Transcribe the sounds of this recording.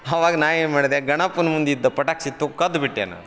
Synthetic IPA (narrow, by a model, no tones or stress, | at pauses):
ɐʋaːɡɐnaːʋeːnmaːɽid̪eɡɐɳapːunɐmund̪id̪ːɐpɐʈaːksit̪ːukɐd̪biʈːḛnːɐ̰